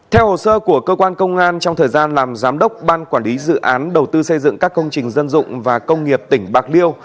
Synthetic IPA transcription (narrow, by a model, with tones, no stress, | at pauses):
t̪ʰɛ˧who˨˩səː˧ku˧˩əkəː˧kwaː˧nkə˧wŋ͡mʔaː˧nt͡ɕɔ˧wŋ͡mt̪ʰəː˨˩jzaː˧nlaː˨˩mzaː˨˦mɗə˦˥wk͡p̚ɓaː˧nkwaː˧˩nli˨˦zɨ̰˧˨ʔaː˨˦nɗə˨˩wt̪ɨ˧sə˧jzɨ̰˧˨ŋkaː˦˥kːə˧wŋ͡mt͡ɕï˨˩ŋ̟zə˧nzʊ̰˧˨ŋ͡mvaː˨˩kə˧wŋ͡mŋi˨˩əp̚t̪ï˧˩ŋ̟ɓaː˨˩k̚li˧əw